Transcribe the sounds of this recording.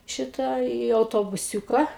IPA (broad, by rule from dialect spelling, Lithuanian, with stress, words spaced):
ˈʃʲɪtɐ iː ɐʊtoːbʊˈsʲuːkɐ